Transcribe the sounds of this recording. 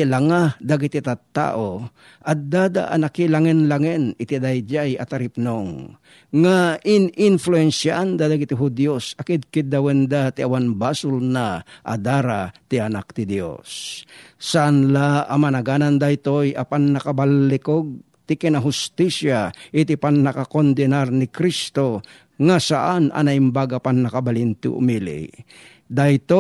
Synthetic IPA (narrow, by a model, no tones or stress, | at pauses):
laŋad̪aɡɪt̪ɪt̪at̪ːa̰ʔo | ʔɐd̪ad̪a̰ʔɐ̰nakɪlaŋɪnlaŋɛnɪt̪ɪd̪ajd͡ʒajɐt̪ɐɾɪp̚noŋ | ŋaʔɪnɪnfluɛnsaʔand̪ad̪aɡɪt̪ɪɦʊd̪josɐkɪd̪̚kɪd̪awɛnd̪at̪ɪawanbasʊlnaʔa̰d̪aɾat̪ɪɐnak̚t̪ɪd̪jo̰sː | aʔanlaʔɐmanɐɡanand̪ajt̪ojʔɐpannɐkabalːɪkoɡ̚ | t̪ɪkɛnɐɦʊst̪isjaʔɪt̪ɪpaŋnɐkakond̪ɛnaɾnɪkɾist̪o | ŋasaʔanɐ̰nɐɪmbaɡapannɐkabalɪnt̪ɪ̰ʔʊ̰milɪ̰ | d̪aɪt̪o